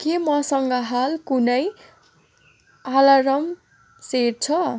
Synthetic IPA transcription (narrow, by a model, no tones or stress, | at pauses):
kemʌsʌŋɡʌɦalkunʌj | alaɾʌm | seɾt͡sʰʌ